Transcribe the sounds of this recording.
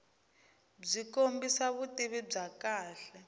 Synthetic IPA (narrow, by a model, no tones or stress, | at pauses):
b͡ʐikombisaβutʼiβib͡ʐakaːɬɛ